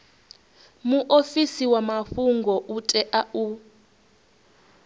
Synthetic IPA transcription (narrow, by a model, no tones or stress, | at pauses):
muʔofisiwamaɸuŋɡʱɔʔutʼɛʔau